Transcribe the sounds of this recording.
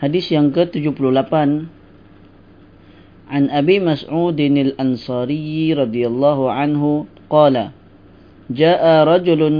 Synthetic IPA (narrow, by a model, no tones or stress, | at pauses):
hadisjaŋkət̪ud͡ʒupuluhlapan | ʕanʔabiːmasʕuːd̪ɪnalʔansɑːɾijɾˤɑd̪ijalˤːɑːɦuʕanɦʊ | qɑːla | d͡ʒaːʔaɾˤɑd͡ʒʊlʊn